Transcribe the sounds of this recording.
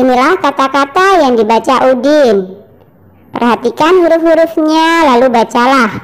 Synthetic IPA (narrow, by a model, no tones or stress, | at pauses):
ʔinilahkat̪akat̪ajaŋdibat͡ʃaʔudɪn | pə̰rɦat̪ikanɦuɾʊfɦuɾʊfɲalalubat͡ʃalah